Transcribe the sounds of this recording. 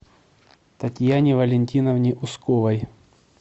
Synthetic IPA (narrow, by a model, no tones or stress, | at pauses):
t̪ɐtʲjanʲɪvɐlʲɪnʲtʲinɐvnʲɪʔʊskovɐj